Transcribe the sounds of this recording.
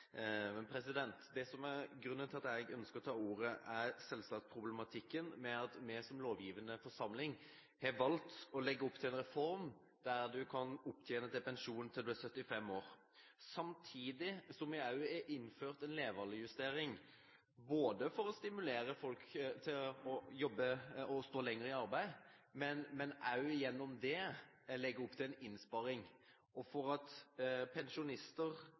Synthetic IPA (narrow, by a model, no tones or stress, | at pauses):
ɛpʰɾɛsɪd̪ɛnt̪d̪ɛsɔmæɾɡɾʉnːənʰɪlɑt̪æɪɡœnskəɾɔt̪ʰɑːuːɾəʔæɾsɛlsɑːkspʰɾʊblɛmɑt̪ʰɪkːənmɛɑt̪mɛsɔmloːʋjiːʋənəfɔɾʂɑmlɪŋ | hɛʋɑlt̪ɔlɛɡːəɔpːt̪ʰɪlɛnɾɛfɔɾm | d̪æɾd̪ʉkʰɑnʊpːt̪ʰjeːnəd̪ɛpɛnʂuːnən̩t̪ʰɪld̪ʉæɾsœt̪ːɪfɛmːoːɾ | sɑmt̪ʰiːd̪ɪsɔmɪɑʉɛʔɪnːføːʁt̪ɛnleːʋəlɪjʉst̪eːɾɪŋ | boːd̪əfɔɾɔst̪ɪmʉleːɾəfɔlkt̪ʰɪlɔjɔbːəɔst̪oːlɛŋːəɾəɪɑɾbæɪmɛnmɛnʔɑʉjɛnːɔmd̪ɛ | lɛɡːəɾʊpːt̪ʰɪlɛnɪnspɑɾɪŋ | ɔfɔɾɑt̪pʰɛnʃʊnɪst̪əɾ